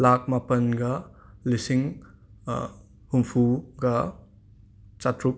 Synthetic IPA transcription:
lak̚mapɐnɡɐlisiŋ | humpʰuɡɐ | t͡ʃatɾuk̚

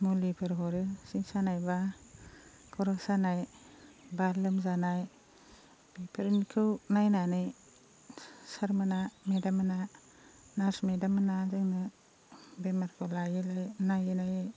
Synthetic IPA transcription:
mulipʰɯɾɦɔɾɯsiŋsanajba | kʰɔɾɔsanaj | balɯmzanaj | b̥ipʰeɾnkʰɯwnajnanɯj | saɾmɯnamedamana | nasmedamanazɯŋnɯ | bemaɾkʰɯwlajilajnajinaj

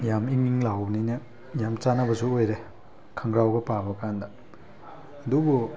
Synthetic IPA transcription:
jamiŋiŋlawbninɐ | jamt͡ʃanɐbɐsuojɾe | kʰɐŋɡɾawɡɐpabɐkandɐː | dubu

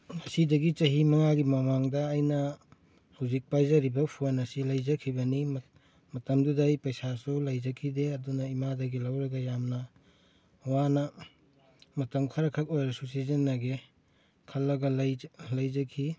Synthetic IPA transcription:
mɐsidɐɡit͡ʃɐɦimɐŋaɡimɐmaŋdɐːjnɐ | hawzik̚pajzɐɾibɐpʰunɐsilɐjzɐkʰibɐnim | mɐtɐmdudɐjpɐjsasulɐjzɐkʰideɐdunɐimadɐɡilɐwɾɐɡɐjamnɐ | wanɐ | mɐtɐmkʰɐɾɐkʰɐk̚ojɾɐsusizɐnːɐɡe | kʰɐlːɐɡɐljlɐjzɐkʰi

